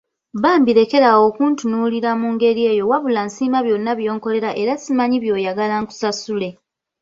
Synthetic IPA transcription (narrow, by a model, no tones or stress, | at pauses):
βaːmbiɾe̞ke̞ɾawo̞ːkuːntunuːliɾamuːŋɡe̞ɾie̞ːjo̞waβulansiːmaβjo̞nːaβjo̞ːŋko̞le̞ɾaʔe̞ɾasimaɲiβjo̞ːjaɡalaŋku̥sasule̞